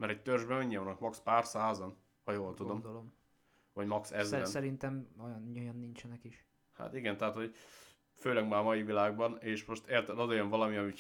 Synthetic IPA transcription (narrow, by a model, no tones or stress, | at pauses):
mɛɾɛc̚t̪ørʒbɛnoɲːiɛɒnːɒkmɒkspaːrsaːzɒn | hɒjoːlt̪ud̪o̞md̪olom | vɒɟmɒksɛzbnsɛɾint̪ɛmojnojɒnːint͡ʃɛnɛkiʃ | ha̰t̪iɡɛnt̪ɛɦat̪ho̞ɟ | føːlɛɡmaːmɒjivilaːɡ̚bɒneːʃmo̞ʃt̪eːrt̪ɛlɒzojøɱvɒlɒmiɒmi